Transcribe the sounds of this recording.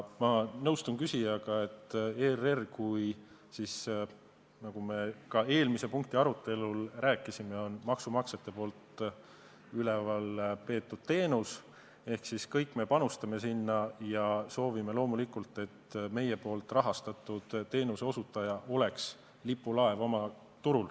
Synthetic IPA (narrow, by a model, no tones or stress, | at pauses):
mɑnɤwst̪unkysʲijɑkɑe̞t̪ːeːrerkuj | sis | nɑɡ̥ume̞kɑe̞ːlmise̞puŋk̚t̪iɑɾut̪ːˑe̞lulræːkːˑisime̞o̞nmɑksumɑkse̞t̪ːˑe̞po̞ːlt̪ | ylevɑlpe̞ːt̪ːud̪̥̚t̪e̞ːnus | e̞hksiskɤjkːˑme̞pɑnust̪ɑme̞sinːɑjɑso̞ːvimelo̞ːmulikult̪ˑe̞t̪ːme̞je̞po̞ːlt̪ˑrɑɦɑst̪ɑt̪ːˑud̪̥t̪ːe̞ːnuse̞o̞sut̪ːˑɑjɑʔo̞le̞ks | lipːˑulɑe̞vo̞mɑ | t̪uɾul